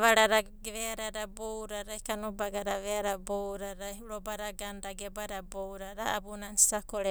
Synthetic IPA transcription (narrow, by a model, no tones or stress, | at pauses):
βaɾaɾaɡβeaɾaɾabowɾaɾajkanubaɡaɾaβeaɾabowɾaɾajuɾɔbaɾaɡandaɡebaɾabowɾaɾaːbunansakoɾe